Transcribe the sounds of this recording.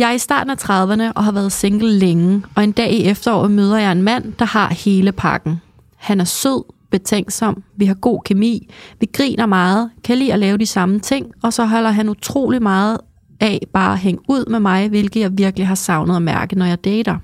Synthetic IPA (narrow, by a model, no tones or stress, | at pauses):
jɑ̈ɪisd̥ɑ̰̈ːd̥n̩æt͡sʰʁɑ̈ðˠʋənəʔɒ̽ɦɑ̈ʋæɐð̞̩ˠse̝ŋɡ̥l̩leŋɒ̽e̝nd̥ɛ̰ːiefd̥ɐɒ̰ːmøːð̞ˠɐjɑ̈ɪe̝nmæn̰d̥ɑ̈hɑ̈he̝ːləpʰɑ̈ɡ̥n̩ | hænæɐsøð̰ˠb̥e̝t͡sʰeŋ̰d̥sɒ̽m̰ʋiɦɑ̈ɡ̥o̝̰ːkʰemḭːʋiɡ̥ʁḭːnɐmɑ̈ːð̩ˠkʰælḭːɒlɛːʊd̥isɑ̈mət͡sʰe̝ŋ̰ɒ̽sɒ̽ɦɒ̽l̰ɐɦænut͡sʰʁo̝̰ːlimɑ̈ːð̞̩ˠ | ɛb̥ɑ̈ːæɦeŋuð̞̰ˠmemɑ̈ɪʋe̝lɡ̥ð̩ˠjɑ̈ɪʋiɐɡ̥liɦɑ̈sɑ̈ʊnəð̞̩ˠɒmæɐɡ̥əð̩ˠnɒjɑ̈ɪd̥eːɾ̥ɐ